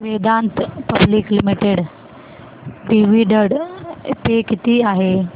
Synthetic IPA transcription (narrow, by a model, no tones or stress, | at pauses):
ʋeːd̪ant̪pɐbliklimiʈeɽ | ɖiʋiɖəɽpekit̪iaɦe